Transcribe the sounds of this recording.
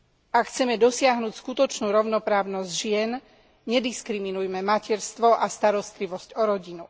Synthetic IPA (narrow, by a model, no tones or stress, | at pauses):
akxt͡sɛmɛd̪ɔsɪaɦnuːcskut̪ɔt͡ʃnuːɾɔʊnɔpɾaːʊnɔzɟʒɪɛn | ɲɛd̪iskɾiminujmɛmacɛɾst̪ʋɔʔast̪aɾɔst̪liʋɔscɔɾɔɟinu